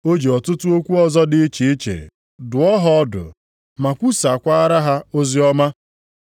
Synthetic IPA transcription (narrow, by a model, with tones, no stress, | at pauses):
o˦d͡ʒi˨ɔ˨tʊ˦tʊ˦o˦kʷu˦ɔ˦zɔ˦dɪ˦i˦t͡ʃe˨i˦t͡ʃḛ˨ | dʊ˨ɔ˦ɦɔ˦ɔ˦dʊ̰˨ | ma˨kʷu˦sa˨kʷa˦ɾa˦ɦa˦o˦zi˦ɔ˦ma˦